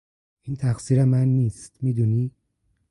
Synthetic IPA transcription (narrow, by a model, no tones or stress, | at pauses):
ʔiːnt̪ʰæxsiːɾemænːiːst̪miːd̪uːniː